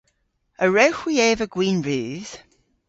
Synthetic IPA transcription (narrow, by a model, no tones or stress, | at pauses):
əɹəwxwiɛːvəɡ̥wĩːnɹʉːz̥